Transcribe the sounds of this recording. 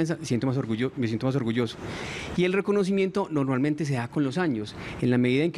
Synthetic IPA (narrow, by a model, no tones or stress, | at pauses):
ans̬amesjent̪omasoɾɣuomesjent̪omas̬o̞ɾɣuʝo̞so̥ie̞lre̞ko̞no̞s̬imje̞nt̪ono̞ɾmalment̪e̞s̬e̞ðako̞nlo̞saɲo̞senlame̞ðiðaeŋk